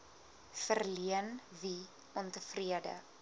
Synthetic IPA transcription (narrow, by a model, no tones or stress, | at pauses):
fərliənvi | ɔntəfriədə̰